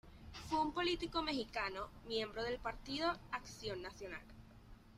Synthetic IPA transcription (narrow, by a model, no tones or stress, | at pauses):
fweumpo̞lit̪iko̞me̞xikanomje̞mbɾoð̞e̞lpaɾt̪iðo̞aksjo̞nːasjo̞na̰l